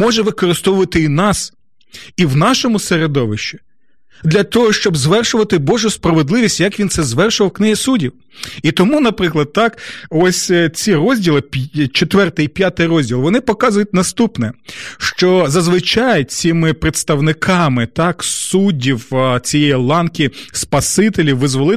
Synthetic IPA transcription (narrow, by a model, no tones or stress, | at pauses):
mɔʒɛʋɪkɔɾɪst̪ɔʋʊʋɐt̪ɪinɑs | iwnɑʃɔmʊseɾed̪ɔʋɪʃt͡ʃi̥ | d̪lʲɐt̪ɔɦɔʃt͡ʃɔbzʋɛrʃʊʋɐt̪ɪbɔʒʊspɾɐʋed̪lˠɪʋʲisʲtʲjɐkʋʲinsɛzʋɛrʃʊʋɐwknɪɦisudʲiw | it̪ɔmunɐpɾɪklˠɐd̪̚t̪ɑkɔsʲt͡sʲirɔzʲdʲilˠɪpʲt͡ʃet̪ʋɛrt̪ɪjipʲjat̪ɪjɾɔzʲdʲilˠʋɔnɪpɔkɑzʊjʊt̚ʲnɐst̪upnɛʃt͡ʃɔzɐzʋɪt͡ʃɑjt͡sʲimɪpɾet̪st̪ɐwnɪkʰɑmɪt̪ɑksudʲiwt͡sʲijɛjilˠɑnkʲispɐsɪt̪elʲiwʋɪzʋɔlˠɪ